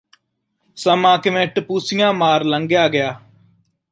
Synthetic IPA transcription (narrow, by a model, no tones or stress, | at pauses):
səmãːkɪʋẽʈpusɪjãːmaːɾləŋɡjaːɡɪjaː